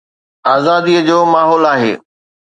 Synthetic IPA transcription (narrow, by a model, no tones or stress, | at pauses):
aːzaːd̪iəd͡ʑoːmaːɦɔːlaːɦḛː